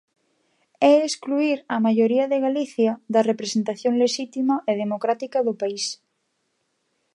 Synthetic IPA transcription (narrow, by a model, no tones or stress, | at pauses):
ɛeskluiɾɐmaʎoɾiɐðeɣaliθjɐd̪ɐrepɾesent̪aθjõŋleʃit̪imɐʔeðemokɾat̪ikɐðʊpais